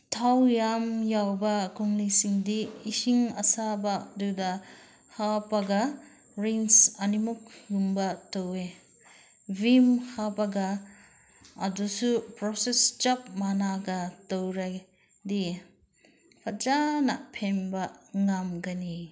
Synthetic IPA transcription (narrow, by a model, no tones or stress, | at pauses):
tʰawjamjawbɐkʰuŋlisiŋdiːsiŋɐsabaduda | hapaɡɐ | ɾeŋsɐnimuk̚jumbɐtowe | vimhabaɡa | dusupɾɔsest͡ʃɐp̚manaɡɐtowɾaj | di | pʰat͡ʃanɐpʰenbɐŋamɡani